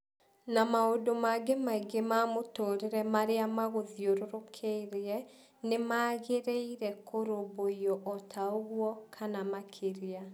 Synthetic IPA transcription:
namaodomaɡemaiɡemamotoːɾeɾɛmaɾeamaɣoðioɾoɾokʰeiɾeɛ | nemaɣeɾeiɾɛkʰoɾoβoiɔʔɔtʰaoɣwɔkʰanamakʰeɾia

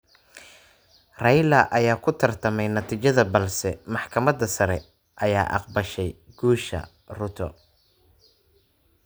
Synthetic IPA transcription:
rɑjlɐʔɐjaːkʰʊt̪ʰɐrt̪ʰɐmɛjnɐt̪ʰiːt͡ʃɐðɐbɐlsɛmɑħkʰɐmɐdɐsɐɾɛ | ʔɐja̰ːʔɑ̰qbɐʃɛj | ɡ̥uːʃɐ̰ | rʊt̪ʰɔ̰

